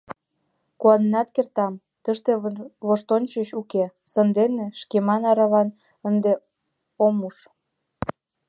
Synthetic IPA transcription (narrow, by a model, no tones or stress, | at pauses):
kuɑnnɑt̪kert̪ɑm | t̪əʃt̪eβoʃt̪onʲt͡ɕəɕukesənd̪eneʃkemɑnɑɾɑβɑn | ənd̪e | omuʃ